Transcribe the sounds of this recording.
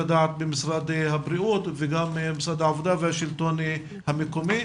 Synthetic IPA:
ad̪aʕat̪̚bemisɾad̪habɾiʔut̪veɡammisɾad̪aʕavod̪avehaʃilt̪on | hamekomi

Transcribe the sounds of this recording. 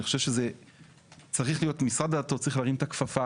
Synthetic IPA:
iχoʃevʃeze | t͡saʁiχlijo̞tmisʁad̪at̪ot͡saʁiχlaːʁimt̪akfafa

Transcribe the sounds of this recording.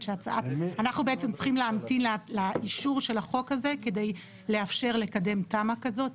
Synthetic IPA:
ʃeat͡saʔatanaχnubeʔet͡semt͡sʁi̥χimleamtinllaʔiʃuʁʃe̞laχo̞khaze̞ke̞de̞j | le̞afʃe̞ʁle̞kade̞mtamakazo̞t

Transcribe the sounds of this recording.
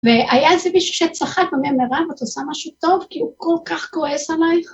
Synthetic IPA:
veʔajaezemiʃu̥ʃet͡saχakbememeʁavat̪osamaʃut̪o̞vkiukolkaχɡoesalajχ

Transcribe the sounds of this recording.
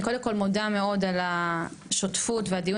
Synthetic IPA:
ko̞d̪emko̞lmodame̞o̞dalaʃotfutveadiju

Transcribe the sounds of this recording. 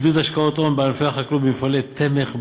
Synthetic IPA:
d̪ut̪aʃkaot̪ombeanfeaχaklubimfalet̪ʰːemeχ

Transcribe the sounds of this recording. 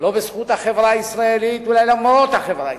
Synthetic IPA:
lobesχuːt̪haχevɾaisɾaelit̪welajlaɡmaɾot̪haχevɾa

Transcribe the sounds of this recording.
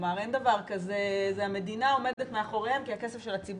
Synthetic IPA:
maʁe̞nd̪avaʁkazezeame̞dinao̞me̞detmeaχo̞ʁehemkiake̞sefʃelat͡sib

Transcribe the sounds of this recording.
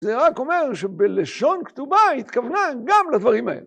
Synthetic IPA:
zeʁako̞me̞ʁʃebeleʃo̞nkt̪ubait̪kavnaɡamlad̪vaʁima̰ḛle

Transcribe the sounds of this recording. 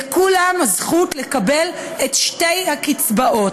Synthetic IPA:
kulamazχutlekabe̞letʃte̞jhakit͡sbaʔo̞t

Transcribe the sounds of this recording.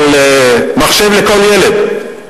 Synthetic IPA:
lemaχʃevleko̞ljeled̪

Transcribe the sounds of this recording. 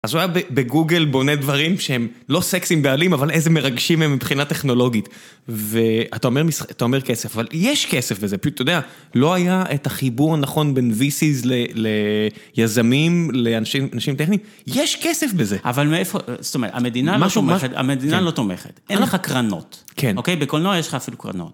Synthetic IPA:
azuajabebeɡuɡe̞lbo̞ned̪vaʁimʃehemlo̞seksimbealimavalezemeʁaɡʃimhemːipχinat̪e̞χno̞lo̞ɡit̪ | veat̪ao̞meʁmisaat̪ao̞me̞ʁke̞sefavaljeʃkesefbe̞zepʃut̪ːojod̪ea | lo̞ajaʔet̪aχibuʁnaχo̞nbe̞nvisizlelejazamimle̞anʃianaʃimt̪eχniim | jeʃkesefbezeʔa̰valmeefozo̥t̪omeʁ̰a̰med̪inalmaʃumet̪a̰med̪inalo̞t̪omeχet̪ʔenleχakʁano̞̰t̪kʰenokejbekolnoajeʃleχaːfilukʁa̰no̰t

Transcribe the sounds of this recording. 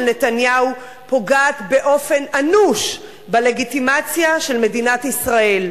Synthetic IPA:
lne̞tanjau | po̞ɡaːt̪be̞ʔo̞fe̞nanuʃ | bale̞ɡitimat͡sjaʃe̞lme̞dinat̪isʁae̞l

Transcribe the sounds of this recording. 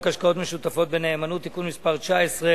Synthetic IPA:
kaʃkao̞t̪me̞ʃut̪afo̞t̪̚be̞ne̞ːmanut̪ːikunmispaʁt͡ʃaesʁe

